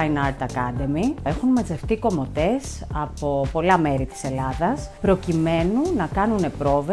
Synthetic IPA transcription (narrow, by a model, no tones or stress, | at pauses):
inɐɾt̪ɐkɐd̪e̞miexunmeze̞ft̪iko̞mo̞t̪e̞sɐpo̞po̞lɐme̞ɾit̪i̥se̞lɐðɐspɾo̞cime̞nunnɐkɐnune̞pɾo̞ve